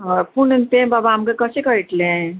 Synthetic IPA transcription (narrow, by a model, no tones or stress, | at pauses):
ɔpunnt̪ẽbabaamkekʌsekʌiʈlẽ